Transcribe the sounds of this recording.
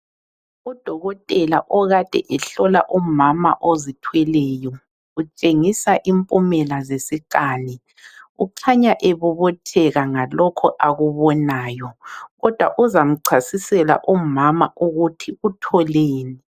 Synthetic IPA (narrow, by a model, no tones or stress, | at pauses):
ud̥ʱɔɣɔtʼɛlaʔɔɣad̥ʱɛʔɛɬɔla̰ʔumama̰ʔozitʰwɛlɛjɔ | ut͡ʃʼeŋisaʔimpʼumɛlazesikʼaːni | uǀʰaɲaʔeβuβɔtʰɛɣaŋalɔkʰɔʔaɣuβɔnaːjɔɣɔd̥ʱwaʔuzam̩ǀʰasisɛla̰ʔumama̰ʔuɣutʰiutʰɔleːni